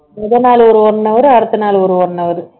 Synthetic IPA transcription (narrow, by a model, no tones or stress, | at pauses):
ɛðɐnaːlɔɾɯɔɾnːɐʋɐɾɯɐɾɯt̪ːɐnaːlɔɾɯɔɾnːɐʋɐɾɯ